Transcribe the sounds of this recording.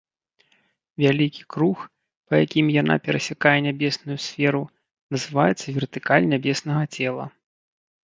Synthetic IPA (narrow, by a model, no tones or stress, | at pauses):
vʲalʲikʲi̥kɾux | pɐjakʲimjana̰pʲɛɾɐsʲakajɛnʲabʲɛsnujusʲfʲɛɾu | nɐzɨvajɛt̪sːɐvʲɛrt̪ɨkalʲnʲabʲɛsnɐɣɐt͡sʲɛlˠɐ̰